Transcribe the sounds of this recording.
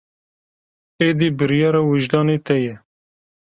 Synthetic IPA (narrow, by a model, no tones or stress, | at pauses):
eːd̪ibɨɾjɑːɾɑwɨʒd̪ɑːneːt̪ɛjɛ